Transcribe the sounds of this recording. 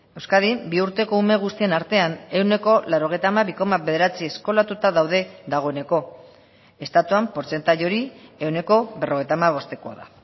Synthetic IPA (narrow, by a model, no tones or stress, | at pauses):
e̞wskaðimbiuɾt̪e̞ko̞ume̞ɣ̞ust̪ie̞naɾt̪e̞ane̞wne̞ko̞laɾo̞ɣ̞e̞jt̪amaβiko̞maβe̞ðe̞ɾat͡siesko̞lat̪ut̪aðawðe̞ðaɣ̞o̞ene̞ko̞ | e̞st̪at̪uampo̞ɾt͡se̞nt̪aʎo̞ɾie̞wne̞ko̞βe̞ro̞ɣ̞ejt̪amaβ̞o̞st̪e̞koa̰ða̰